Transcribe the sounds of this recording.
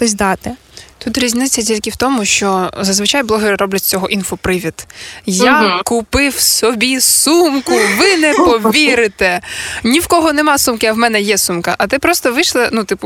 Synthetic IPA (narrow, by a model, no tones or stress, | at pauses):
t̪ɔsʲd̪ɑt̪ɪt̪ut̪ɾʲizʲnɪt͡sʲːɐtʲilʲkʲɪwt̪ɔmʊʃt͡ʃɔzɐzʋɪt͡ʃajblˠɔɦɪɾɪɾɔblʲɐt̚ʲt͡sʲɔɦɔʔinfɔpɾɪʋʲid̪jakʊpɪwsɔbʲisumkʊʋɪnɛpɔiɾɪt̪ɛnʲiwkɔɦɔnɛmɑsumkɪɐwmɛnɛjɛsumkɐ̰ʔɐt̪ɪpɾɔst̪ɔʋɪʃlˠɐnut̪ɪpʊ